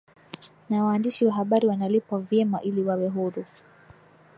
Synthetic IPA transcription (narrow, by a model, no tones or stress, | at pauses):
nawaːndiʃiwaɦaɓaɾiwanalipwavjɛmaʔiliwawɛɦuɾu